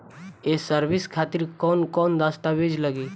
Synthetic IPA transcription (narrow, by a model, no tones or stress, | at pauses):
esəɾʋɪskʰaːt̪ɪɾkɔːnkɔːnd̪aːst̪aʋeːd͡ʒləɡiː